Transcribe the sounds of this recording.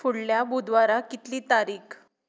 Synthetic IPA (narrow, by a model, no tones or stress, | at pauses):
fuɽljabud̪ʋaɾakit̪liːt̪aɾiːkʰ